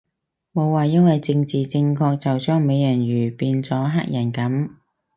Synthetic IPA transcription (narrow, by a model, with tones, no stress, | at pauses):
mo˨˧wːaː˨jɐ˥nwɐ˨jt͡sɪ˧ŋt͡siː˨t͡sɪ˧ŋkʰɔː˧k̚t͡sɐ˨wt͡ʃœː˥ŋme˨˧jjɐ˨˩nɥyː˨˩piː˧nt͡sɔː˨˥ɦaː˥k̚jɐ˨˩nkɐ˨˥m